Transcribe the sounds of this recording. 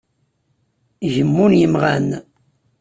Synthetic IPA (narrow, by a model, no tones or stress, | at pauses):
ʝəmːunjəmʁæn